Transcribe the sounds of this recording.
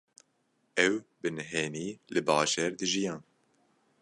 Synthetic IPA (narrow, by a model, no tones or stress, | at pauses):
ɛwbɨnɦeːniːlɨbɑːʒeːɾd̪ɨʒijɑ̃ːn